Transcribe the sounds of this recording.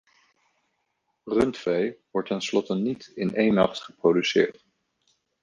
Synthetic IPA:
rɵntfejʋɔɹtɛnslɔtənitɪnʔejnːɑ̰χtχəprodysɪ̰ːɹt

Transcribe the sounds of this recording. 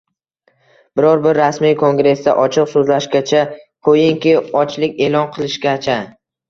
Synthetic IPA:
b̥ɪɾɒɾbɪɾːasmijkʰoŋɡɾe̞sd̪a̰ʔɒt͡ʃʰɪqsɵzlaʃɡʲat͡ʃʰakʰojɪŋkʲɪɒt͡ʃlɪkʲe̞lɒnqʰɨlˠɪʃɡʲat͡ʃʰa

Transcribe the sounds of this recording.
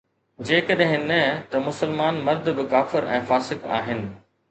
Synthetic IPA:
d͡ʑeːkɐɗɦɪ̃nɐt̪ɐmʊsəlmaːnmɐɾd̪ʱbɪkaːfɪɾɛ̰̃ːfaːsɪxa̰ːɦɪnɪ̆

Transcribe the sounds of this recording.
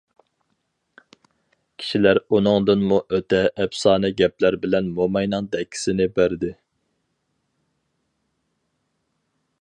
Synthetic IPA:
kʲʰi̥ʃilæɾunɨŋd̪ɨnmuʔøt̪ɛʔːpsɑːnɨɡʲɛplæɾbɪlɛnmomɑjnɨŋd̪ɛkʰʲːi̥sɪnɪbæɾd̪ɪ

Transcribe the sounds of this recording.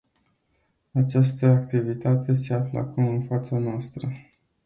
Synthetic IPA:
at͡ʃast̪əakt̪ivit̪at̪e̞se̞aflə̰a̰kumɨnfat̪sanoast̪ɾə

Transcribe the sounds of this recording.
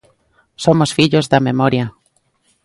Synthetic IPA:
somosfiʎozðamemɔɾja

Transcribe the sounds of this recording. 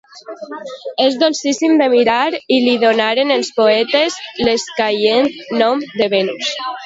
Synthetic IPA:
ezðonsisimd̪emiɾaɾiliðonaɾenelspoɛt̪ezleskajent̪nɔmd̪eβenus

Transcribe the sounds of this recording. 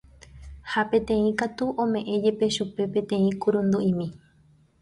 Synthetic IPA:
hapẽ̞t̪ẽ̞ĩkat̪uʔõmẽ̞ʔẽ̞d͡ʒe̞pe̞ʃupe̞pẽ̞t̪ẽ̞ĩkuɾõnd̪uĩmĩ

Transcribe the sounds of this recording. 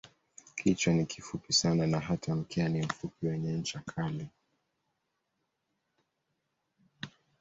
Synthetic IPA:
kʰit͡ʃwanikʰifupisananaɦatʰam̩kɛanim̩fupiwɛɲɛɲ̩t͡ʃakʰali

